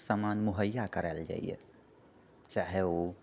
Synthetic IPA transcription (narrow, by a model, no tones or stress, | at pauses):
samaːnmʊɦəjːakəɾɛld͡ʒa̰ːḭḛ | t͡ʃaːɦeo